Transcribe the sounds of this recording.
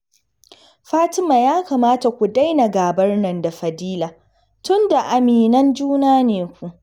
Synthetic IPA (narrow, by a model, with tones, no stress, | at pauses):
ɸaː˦tɪ˦maː˨jaː˦ka˨maː˦ta˨kʷu˨da˦jna˨ɡaː˨bɐ˦rnɐ˨nda˨ɸɐ˨diː˦laː˨ | tʊ˦nda˨ʔa˨miː˨nɐ˦nd͡ʒuː˦naː˦neː˨kʷu˨ʔ